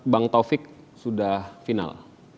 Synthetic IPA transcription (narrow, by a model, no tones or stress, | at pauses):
baŋt̪ofɪk̚ | sudahfina̰l